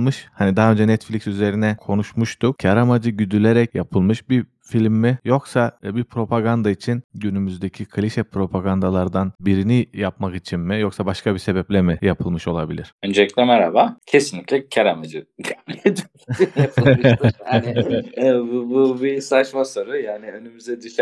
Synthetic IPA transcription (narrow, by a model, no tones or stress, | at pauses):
mɯʃhanid̪aɦø̞nd͡ʒɛnɛt̪flʲicsyze̞ɾinɛkʰo̞nuʃmuʃt̪ukcʰaɾamad͡ʒɯɟyd̪ylʲeɾɛcjapʰɯlˠmɯʃbi | filʲmːijo̞ksabipʰɾo̞pʰaɡand̪ait͡ʃʰinɟynymyzd̪ecʰikʰalʲiʃɛpʰɾo̞pʰaɡand̪alˠaɾd̪anbiɾinijapmakit͡ʃʰinmijo̞ksabaʃkʰabise̞bɛplʲɛmijapʰɯlˠmɯʃo̞lˠabilʲiɾ̥ønd͡ʒɛcʲlʲɛmaɾa̰bacʰesinlʲicʲlʲɛcʰaɾamad͡ʒɯd̪ɛmlʲed̪y | iapˠman | bububisat͡ʃmaso̞ɾujaːniø̞nymyzd̪ɛd̪yʃ